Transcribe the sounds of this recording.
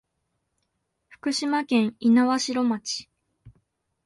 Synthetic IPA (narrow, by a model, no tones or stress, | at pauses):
ɸɯ̟̥kɯ̟ɕimakẽ̞ɰ̃inaβaɕiɾo̞mat͡ɕi̥